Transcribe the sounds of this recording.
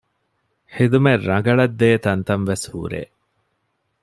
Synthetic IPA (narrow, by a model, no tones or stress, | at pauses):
ħid̪umerːɐŋɡɐɭɐd̪ːeːt̪ɐnt̪ɐnʋeshṵːɾḛː